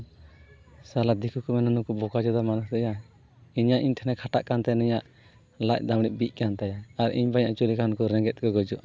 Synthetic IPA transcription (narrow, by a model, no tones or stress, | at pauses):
salad̪ikʰukɔmɛnanukɔbɔkad͡ʒɔd̪amanuhd̪ɛja | iɲaʔiɲt̪ʰɛnɛkʰaʈaʔkant̪ɛnɔɲaʔ | lac̚ˀd̪amɽiʔ̚bic̚ˀkant̪ajaːɾḭɲbaɲaʔt͡ʃolikʰankɔɾɛ̃ŋɡɛt̪̚kɔɡɔd͡ʒɔʔ